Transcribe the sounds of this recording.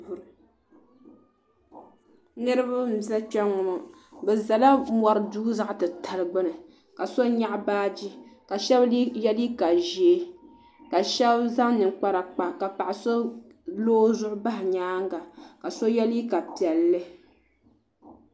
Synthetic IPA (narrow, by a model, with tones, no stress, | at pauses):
u˨ɾ | nɨ˦ɾɨ˦ba˦m̩˨˦za˦t͡ʃɛ˦ŋɔ˨m˨ | bɛ˨za˨la˦mɔ˨ɾɨ˦duː˦za˦ʔtɨ˨tʰa˨lɨ˨ɡ͡bɨ˦nɨ˨ | ka˨so˦ɲa˦ʔbaː˦d͡ʒi˦ka˨ʃɛ˦bjɛ˦li˦ka˨ʒi˨˦ | ka˨ʃɛ˦bza˦ŋnɨ˨ŋk͡pa˦ɾa˨k͡pa˨ka˨pa˨ʔa˨so˦ | loː˦zʊ˦ʔʊ˦ba˦ɦɪ˨ɲaː˦ŋ˦ɡa˨ka˨so˦jɛ˦li˦ka˨pi˨ɛ˨lːɨ˦